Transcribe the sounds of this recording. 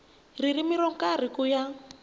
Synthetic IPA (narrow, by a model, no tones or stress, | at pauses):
ririmiɾɔŋ̩kʼarikuja